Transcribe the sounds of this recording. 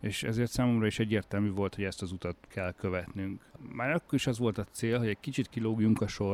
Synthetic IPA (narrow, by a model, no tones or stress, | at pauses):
eːʃɛ̰zeːrt̪saːmo̞mrɒiʃɛɟːeːrt̪ɛlmyːvo̞lt̪ho̞ɟɛst̪ɒzut̪ɒt̪kʰɛlkøvɛt̪nyŋkmaːɾɒkːoɾiʃɒzʋo̞lt̪ɒt̪seːlɦoɟɛckit͡ʃit̪kiloːɡjuŋkɒʃo̞r